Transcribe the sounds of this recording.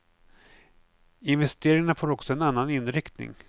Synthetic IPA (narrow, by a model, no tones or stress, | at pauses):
ɪnvɛst̪eːɾɪŋaɳafoːɾɔksɔɛnanːanɪnɾɪkt̪nɪ̰ŋ